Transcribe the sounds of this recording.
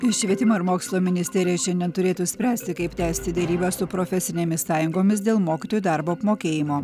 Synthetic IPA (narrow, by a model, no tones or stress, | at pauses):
ɪʃʲʋʲiɛt̪ʲɪmoːɪɾmoːkslˠomʲɪnʲɪsʲt̪ʲɛɾʲɪjɛʃʲɛnd̪ʲɛnt̪ʊɾʲeːt̪uːsʲpʲɾʲæːsʲt̪ʲɪkɐɪpt̪ʲæːsʲt̪ʲɪd̪ʲɛɾʲiːbɑsʊpɾoːfʲɛsʲɪnʲeːmʲɪssɑːjʊŋɡoːmʲɪsd̪ʲeːlˠmoːkʲɪt̪oːjud̪ɑɾboːɐpmoːkʲeːjɪmoː